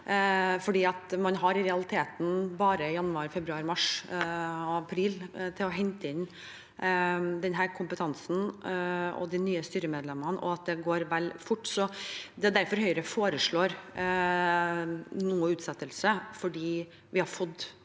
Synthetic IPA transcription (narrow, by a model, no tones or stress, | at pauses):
fɔɖiːɑt̪mɑnɦɑɾɪɾɛɑlɪt̪ʰeːt̪n̩bɑːɾəjɑnːɑɾfɛbɾʉɑɾmɑʂ | ɑpʰɾiːlt̪ʰɪlɔɦɛnt̪əɪn | d̪ɛnɦæːɾkʰʊmpət̪ʰɑnsn̩ | ɔ̰d̪ɪnyːəst̪yːɾəmeːd̪lɛmɑnɔ̰ɑt̪̚d̪ɛɡoːɾʋɛlfʊʈːsɔd̪ɛd̪æɾfɔɾhœʏəɾəfoːɾəʂɭoːɾ | nuːəʉːt̪sɛt̪ːəlsəfɔɖiː | ʋɪhɑɾfɔd̪ː